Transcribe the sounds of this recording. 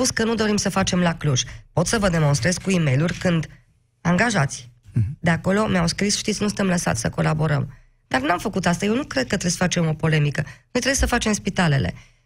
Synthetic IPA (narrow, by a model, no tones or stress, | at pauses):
uskənud̪o̞ɾimsəfat͡ʃe̞mlakluʒpo̞t̪səvəd̪e̞mo̞nst̪ɾe̞zkuime̞jlurʲkɨnd̪ | aŋɡaʒat̪sʲd̪e̞ako̞lo̞meawskɾisʃt̪it̪sʲnusɨnt̪emləsa̰t̪sʲsəko̞labo̞ɾə̰m | d̪̥arnamfəkut̪ast̪ajewnukɾed̪̚kət̪ɾesfat͡ʃe̞mo̞po̞le̞mikənojt̪ɾejesəfat͡ʃe̞mspit̪ale̞̰le̞̰